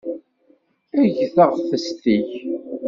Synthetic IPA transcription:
æʝθəʁθəst̪iç

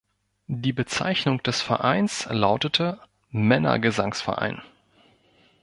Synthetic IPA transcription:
diːbət͡sa̰ɪçnʊŋd̥ɛsfɛɐʔaɪnslaʊtətʰə | mɛnɐ̰ɡəzaŋsfɛɐʔa̰ɪn

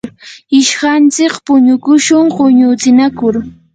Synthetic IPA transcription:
ɪʃɢant͡sɪkpʊɲʊkʊʃʊŋɢʊɲʊt͡sɪnakʊɾ

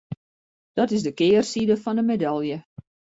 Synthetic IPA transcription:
d̥ɔtɪzdəkɪːrsidəfɔndəmedalˠjə

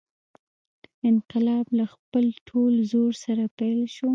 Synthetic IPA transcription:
ɪnqɪlɑblaxpəlʈʰolzoɾsaɾapajlʃu

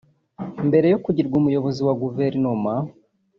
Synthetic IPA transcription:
mbe̞ɾe̞jo̞kuɟiɾɡumujo̞βo̞ziwaɡuveɾinoma

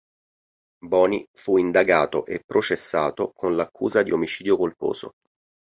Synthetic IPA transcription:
bɔːnifuind̪aɡaːt̪oʔepːɾʔot͡ʃesːaːt̪okonlakʰːṵːzad̪iomit͡ʃiːd̪jokolpo̰ːzo̰

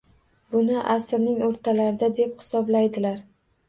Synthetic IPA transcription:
bʊnɪʔasɾnɪŋoɾt̪ʰalaɾɪd̪ad̪e̞phɪ̥sɒblajd̪ɪlaɾ

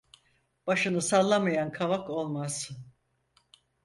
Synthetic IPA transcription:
b̥aʃɯnɯsalˠːamajankʰavako̞lˠmaz̥

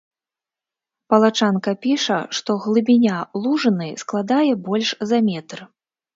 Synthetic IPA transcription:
pɐlˠat͡ʂankɐpʲiʂɐʂt̪ɔɣlˠɨbʲinʲalˠuʐɨnɨsklˠad̪ajɛbɔlʲʂzɐmʲɛt̪rɨ

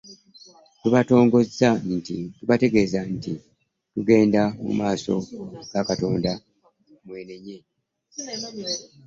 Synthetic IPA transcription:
tuβato̞ːŋɡo̞zːantituβate̞ɡe̞ːzanti | tuɡe̞ːndamṵmaːso̞̰ɡ̥akato̞ːnda | mwe̞ːne̞ɲe̞

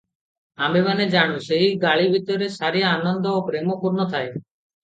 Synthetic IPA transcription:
amemaned͡ʒaɽ̃ũseɦiɡaɭibʱit̪ɔɾesaɾjaːnɔnd̪ɔːpɾemɔpuɾnɔt̪ʰae

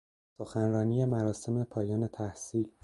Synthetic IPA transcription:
so̞xænrɒːniːje̞mæɾɒːse̞me̞pʰɒːjɒːne̞t̪ʰæhsiːl

